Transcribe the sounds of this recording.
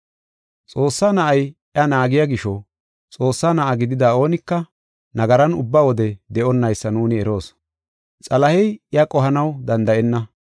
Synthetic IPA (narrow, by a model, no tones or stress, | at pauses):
t͡sʼo̞ːsːaːnɐʔɐjʔɐnaːɡɪjaɡɪʃɔ | t͡sʼo̞ːsːaːnɐʔɐɡɪd̪ɪd̪aːo̞ːnɪkːɐ | nɐɡɐɾɐnʊbːawɔd̪ɛd̪ɛʔɔnːɐjsːɐnuːnɪɛɾo̞ːs | t͡sʼɐlɐhɛjɪɐkʼɔɦɐnɐwd̪ɐnd̪ɐʔɛnːɐ